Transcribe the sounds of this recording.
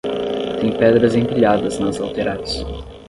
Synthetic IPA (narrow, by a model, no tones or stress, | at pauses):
t̪ẽj̃pɛd̪ɾɐzẽŋpiʎad̪ɐznɐzalt̪eɾas